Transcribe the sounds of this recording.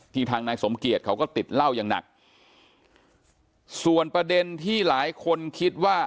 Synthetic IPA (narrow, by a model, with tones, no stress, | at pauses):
t̪ʰiː˧ŋt̪ʰaː˧ŋnaː˧jso˩˦mki˨˩ət̪̚kʰa˦˥wkɔː˥˩t̪i˨˩t̪̚la˥˩wjaː˨˩ŋna̰˨˩k̚ | su˨˩ənpɾa˧de˧nt̪ʰiː˥˩laː˩˦jkʰo˧nkʰi˦˥t̪̚waː˥˩